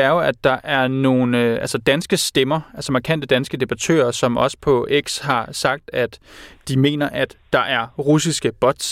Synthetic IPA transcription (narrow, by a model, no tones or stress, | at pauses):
æɐjo̝æd̥ːɑ̈ʔæɐno̝ːnʔælsɒd̥ænsɡ̥əsd̥emɐælsɒ̽mɑ̈kʰæn̰d̥əd̥ænsɡ̥əd̥e̝b̥ɑ̈t͡sʰø̰ːɐsɒ̽mʔɒ̽sə̥pʰɒ̽eɡ̥sɦɑ̈sɑ̈ɡ̥̚d̥æd̥ːime̝̰ːnɐʔæd̥ːɑ̈ʔæɐʁusisɡ̥əb̥ɒd̥s